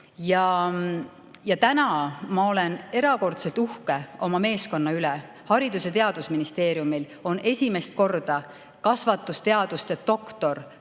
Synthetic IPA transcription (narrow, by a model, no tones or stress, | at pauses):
jɑ | jɑt̪ænɑmɑo̞lene̞ɾɑko̞rt̪se̞lt̪uhkeʔo̞mɑme̞ːsko̞nːɑylɛ | hɑɾid̪uset̪e̞ɑd̪̥usminist̪e̞ːɾjumil | o̞ne̞sʲime̞st̪̚ko̞rd̪̥ɑ | kɑsvɑt̪ːˑust̪e̞ɑd̪̥ust̪et̪o̞kt̪o̞r